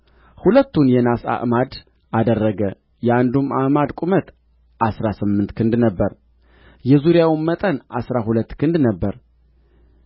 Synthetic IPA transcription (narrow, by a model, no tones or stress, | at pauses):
hulət̪ːunjɛnasa̰ʔmad̪ | ʔad̪ərːəɡə | jɛand̪umamad̪kʷʼumət̪ | ʔasɾasɨmːɨnt̪kʰɨnd̪nəbːəɾ | jɛzuɾjawmət̪ʼənʔasɾahulət̪ːkʰɨnd̪nəbːəɾ